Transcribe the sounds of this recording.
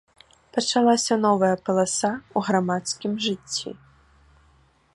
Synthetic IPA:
pɐt͡ʂalˠasʲɐnɔvɐjɐpɐlˠasauɣɾamat̪skʲimʐɨt͡sʲːḭ

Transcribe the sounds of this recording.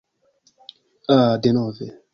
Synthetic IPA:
adenɔvɛ

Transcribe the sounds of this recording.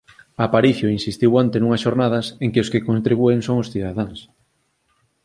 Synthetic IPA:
apaɾiθjʊinsist̪iwant̪enuŋɐsʃoɾnað̞ɐseŋkeoskekont̪ɾiβueŋsoŋʊsθiðaðaŋs

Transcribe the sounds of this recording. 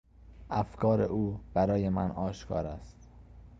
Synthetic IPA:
æfkʰɒːɾḛʔuːb̥æɾɒːje̞mæ̰nɒːʃkʰɒ̰ːɾæst̪

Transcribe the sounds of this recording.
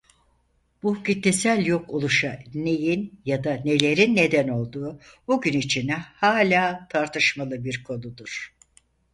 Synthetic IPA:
b̥ucit̪ʰːesælʲjo̞kʰolˠuʃane̞jinjad̪ane̞lʲe̞ɾinːed̪æno̞lˠd̪uːbuɟynit͡ʃʰinɛhaːlʲaːt̪ʰaɾt̪ʰɯʃmalˠɯbiɾkʰo̞nud̪uɾ̥

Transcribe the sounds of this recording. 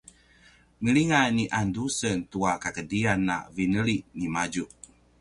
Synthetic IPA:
ŋəliŋaniʔandusəntuakakədianːa̰vinəɾiʔnimad͡ʒuʔ

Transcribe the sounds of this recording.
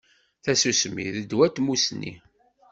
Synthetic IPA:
θæsusmḭðəd̪wæt̪ːmusnːḭ

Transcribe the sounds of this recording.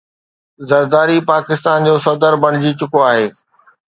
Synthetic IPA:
zɐɾd̪aːɾipaːkɪst̪aːnd͡ʑoːsɐd̪əɾbɐɽ̤̃ɪd͡ʑit͡ɕʊkoaːɦeː

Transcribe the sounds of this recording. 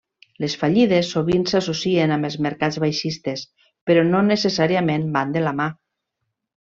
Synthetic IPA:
lesfaʎiðesːoβ̞insasosienamelˠzmeɾkazβajʃist̪es | peɾɔnonesesaɾiamẽmband̪elama

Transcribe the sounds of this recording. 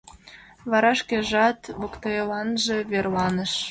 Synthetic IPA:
βɑɾɑʃkeʒɑt̪βokt̪ɑelɑnʒeβerlɑnə̆ʃ

